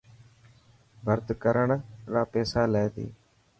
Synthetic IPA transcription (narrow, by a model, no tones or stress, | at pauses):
bʱəɾt̪kəɾəɳɾaːpɛːsaːlɛːt̪ḭː